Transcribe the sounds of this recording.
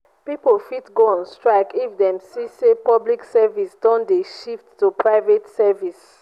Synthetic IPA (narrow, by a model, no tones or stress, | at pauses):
pipolfitɡõnnstɹaɪkifdɛ̃msisepɔbliksɛvisdɔ̃ndeʃiftːupɹaɪvetsɛvis